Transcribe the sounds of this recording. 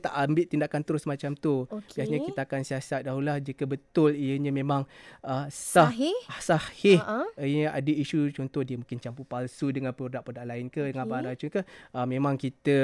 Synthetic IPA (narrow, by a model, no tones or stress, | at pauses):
t̪a̰ʔambɪʔt̪indakant̪əɾʊsmat͡ʃamt̪ubiasɲakit̪aakansiasat̪̚daɦulahd͡ʒikəbət̪ʊlijəɲə̃mẽmãŋəsasahhɪhʔɲəa̰dəiʃut͡ʃɔnt̪ɔhdiəmũkɪnt͡ʃampupalsudəŋanpəurdaʔpədaʔlaɪnkədəŋanbaɾat͡ʃukəhəmẽmãŋkit̪ə